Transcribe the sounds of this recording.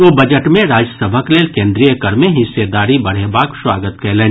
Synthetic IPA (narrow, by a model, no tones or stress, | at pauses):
ʋoːbɐd͡ʒəʈmẽɾaːd͡ʒəsəbʱəkleːlkẽːnd̪ɾijəkəɾmẽɦɪsːed̪aːɾibɐɽ̤ebaːkswaːɡət̪kɛːlẽː